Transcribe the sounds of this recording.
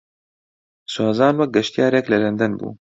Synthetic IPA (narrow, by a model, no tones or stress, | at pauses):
saːzɑːnwɛk̚ɡɛʃt̪ijɑːɾɛklɛlɐnd̪ɛnbṵː